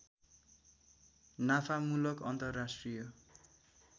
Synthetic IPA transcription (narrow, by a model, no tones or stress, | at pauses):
napʰamulʌkʌnt̪ʌrːasʈrijʌ